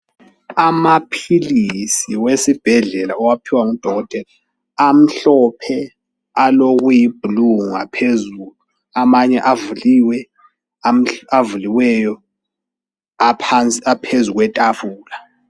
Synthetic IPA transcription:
amapʰilisiwesib̥ʱɛɮɛlaɔwapʰiwaŋud̥ʱɔɣɔtʼɛla | am̩ɬɔpʰɛ | aloɣujib̥ʱuluŋa̰pʰezuːlu | amaɲɛʔavuliwɛ | am̩avuliwɛjɔ | apʰant͡sʼiapʰezuɣwɛtʼafuːla

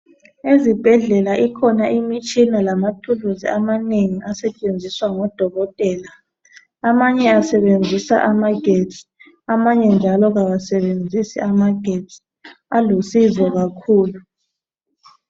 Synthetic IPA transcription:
ezib̥ʱɛɮɛlaʔikʰɔnaʔimit͡ʃʼinalamatʰuluzḭamaneŋiʔasɛt͡ʃʼend͡zʱiswaŋɔd̥ʱɔɣɔtʼɛːla | amaɲɛasɛβend͡zʱisa̰ʔamaɡ̥ʱett͡sʼi̥ | amaɲɛnd͡ʒʱalɔɣaβasɛβend͡zʱisḭamaɡ̥ʱetsʼ | alusizɔɣakʰuːlu

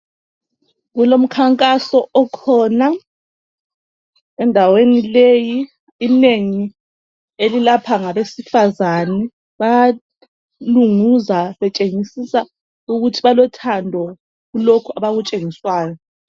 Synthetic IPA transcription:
ɣulom̩kʰaŋkʼasɔʔɔkʰɔːna | ɛndʱawenilejiː | neŋi | elilapʰaŋaβesifazanɛ | βa | luŋuzaβɛt͡ʃʼeŋisisa | uɣutʰiβalɔtʰandʱɔ | ɣulokʰuaβaɣut͡ʃʼeŋiswaːjɔ

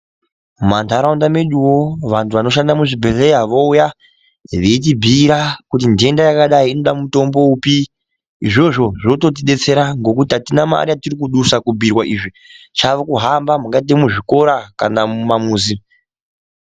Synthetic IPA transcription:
mantʰaɾaundame̞ɗuwo̞ʋantʰuʋano̞ʃ̬andamuʐibʱele̞iɦaʋouja | ʋet̬ibʱiːɾakutindie̞ndajakaɗaiːno̞ɗamuto̞mbo̞upi | iʐo̞ʐo̞ʐoto̞t̬iɗe̞t͡se̞ɾaŋɡo̞kutiatinama̰ɾijatirikuɗusakubʱirwaʔiʐi | t͡ʃaʋokuɦambamuŋɡat̬emuʐiko̞ɾakanamamuːzi

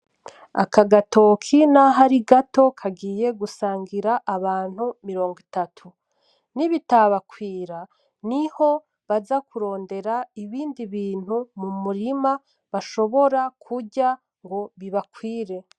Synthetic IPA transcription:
a̰kaɡato̞kʰinaɦaɾiɡato̞kʰaɡiːje̞ɡusaːŋɡiɾaʔaβaːn̥humiɾo̞ːŋɡitatʰu | niβitaβakwiːɾa | niho̞ | βazakuɾo̞ːnde̞ɾaiβiːndiβiːn̥humumuɾima | βaʃo̞βo̞ɾakʰuɟa | ŋɡo̞βiβakwiːɾe̞

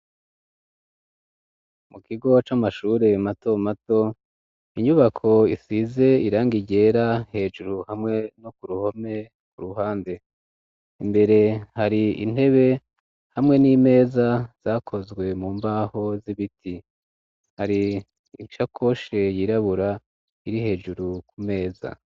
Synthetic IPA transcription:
mukʰiɡo̞t͡ʃamaʃuːɾe̞mato̞mato̞ | iɲuβakʰo̞isize̞iɾaːŋɡiɟe̞ːɾahe̞ːʒuɾuhamŋe̞nokuɾuho̞me̞ | kuɾuɦaːnde̞ | imbe̞ɾe̞haɾiḭn̥e̞βe̞ | hamŋe̞niːme̞ːzaz̥akʰo̞zɡwe̞muːmbaːho̞ziβitʰi | haɾi | ʃakʰo̞ʃe̞jiɾaβuɾa | iɾihe̞ːʒuɾukʰume̞ːza̰

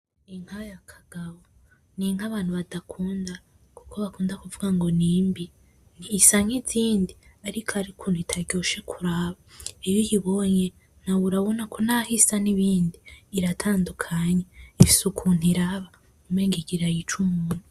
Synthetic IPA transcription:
iŋ̥hajakʰḁɡ̥aβo | niŋhaβaːn̥huβadakʰuːnda | ku̥kʰo̞βakuːndakuvuɡaŋɡo̞niːmbi | niːsaɲiziːndiaɾikʰaɾikʰuːnhuitʰaɟoʃe̞kʰuɾaːβaijojiβoɲe | n̥awuɾaβonakʰonahisaniβiːndiːɾatʰaːndukʰaɲeifi̥sukʰun̥iɾaβa | umweːŋɡiɡiɾajit͡ʃumuːn̥u

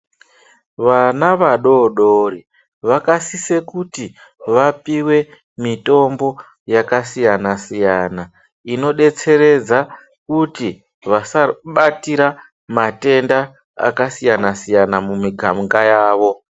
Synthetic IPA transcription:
ʋanaʋaɗo̞ɗori | ʋakasise̞kuti | ʋapiwe̞ | mito̞mbo̞ | jakasijanasijana | ino̞ɗe̞t͡se̞ɾe̞d͡za | kuti | ʋasaɓatiɾa | mate̞nda | a̰kasijanasijanamumiɡʱamŋɡajaːʋo̞

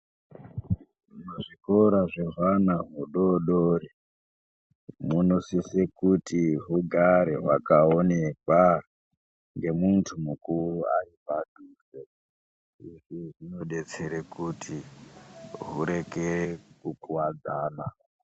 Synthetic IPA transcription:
ʐunoʐikoɾaʐeʐanaɦuɗoɗoːɾi | muno̞sisekutiɦuɡʱaɾeɦwakaonekwa | ŋɡe̞muntʰumukuruaipadʱuːse | iʐiʐino̞ɗe̞t͡se̞ɾekutʰi | ɦuɾe̞kerekukuwad͡zaːna

